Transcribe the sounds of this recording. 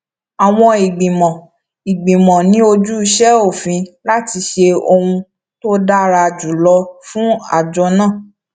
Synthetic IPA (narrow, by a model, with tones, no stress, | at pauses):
a˨w̃ɔ̃˧i˨ɡ͡bĩ˨mɔ̃˨ | i˨ɡ͡bĩ˨mɔ̃˨nĩ˨˦o˧d͡ʒu˦i˧ʃɛ˦o˦˨fĩ˧la˦ti˧ʃe˧o˧hũ˧ | to˦da˦ɾa˧d͡ʒu˨lɔ˧fũ˦a̰˦˨d͡ʒɔ˧˦nãː˦˨